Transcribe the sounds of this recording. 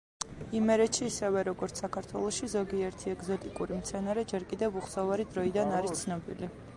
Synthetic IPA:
imɛɾɛt̪ʃiːsɛvɛɾɔɡɔɾt̪ssakʰaɾt̪ʰwɛlˠɔʃizɔɡiɛɾt̪ʰiɛɡzɔt̪ʼikʼuɾimt̪sʰɛnaɾɛd͡ʒɛɾkʼid̪ɛvuχsavaɾid̪ɾɔid̪anaɾist̪sʰnɔbḭli

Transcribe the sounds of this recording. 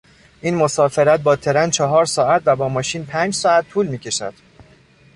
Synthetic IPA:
ʔiːnmosɒːfe̞ɾæt̪̚bɒːt̪ʰe̞ɾænt͡ʃʰɒɦɒːɾsɒːæt̪væbɒːmɒːʃiːnpʰæːnd͡ʒsɒːæt̪ʰːuːlmiːcʲʰe̞ʃæ̰d̪̥

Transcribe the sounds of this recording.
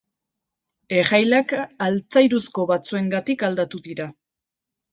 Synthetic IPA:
e̞ʝajlakalt͡sajɾusko̞βat͡sue̞ŋɡat̪ikald̪at̪uðiɾa

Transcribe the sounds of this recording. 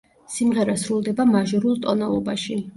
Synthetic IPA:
simʁɛɾasɾulˠd̪ɛbamaʒɔɾulˠt̪ʼɔnalˠɔbaʃi

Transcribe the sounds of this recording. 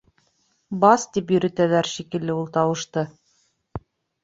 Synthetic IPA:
bɑst̪ipjɵ̆ɾɵ̆t̪ælæɾʃikɘ̆lːɘulˠt̪ɑwɤ̆ʃt̪ɤ

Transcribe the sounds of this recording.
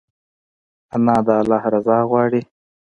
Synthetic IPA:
anɑd̪əːlɑːhɾazɑːɣwɑːɽi

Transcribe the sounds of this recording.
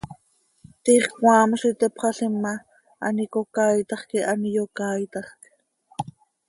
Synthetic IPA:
t̪iːχkwɑːmʃit̪ɛpχɑɬimːɑ | ʔɑ̰nikokɑːjt̪ɑχkiʔɑnijokɑːjt̪ɑχk

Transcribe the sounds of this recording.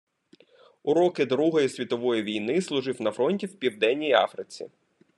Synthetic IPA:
ʊɾɔkɪd̪ɾuɦɔjisʲʋʲit̪ɔʋɔjiʋʲijnɪslˠʊʒɪwnɐfɾɔnʲtʲiwpʲiwd̪ɛnʲːijiɑ̰fɾɪt͡sʲḭ

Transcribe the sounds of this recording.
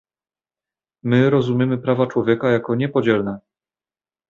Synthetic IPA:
mɘɾɔzumʲjɛmɘpɾavat͡ʂwɔvʲjɛkajakɔɲɛpɔd͡ʑɛlnɛ

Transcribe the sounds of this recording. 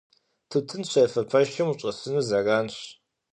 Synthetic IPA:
tʰɨtʰɨnɕɐfɐpʰɐʃɪmuɕʼɐsɨnuːzɐraːnɕ

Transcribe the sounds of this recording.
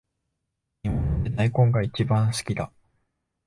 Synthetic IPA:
ɲimat̪ːenaikõŋɡait͡ɕibãɰ̃sɨ̥kʲid̪a

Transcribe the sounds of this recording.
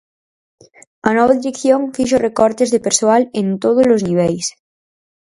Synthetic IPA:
ɐnɔβ̞aðiɾekθjoŋfiʃ̬orekɔɾt̪ezðepeɾsoalẽnt̪oð̞ozlozniβ̞ɛls

